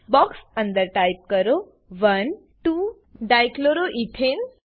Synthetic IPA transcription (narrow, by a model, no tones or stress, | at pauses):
bɔksə̃nd̪əɾʈajp̚kəɾo | ʋɐn | ʈu | ɖajkloɾoʔiʈʰen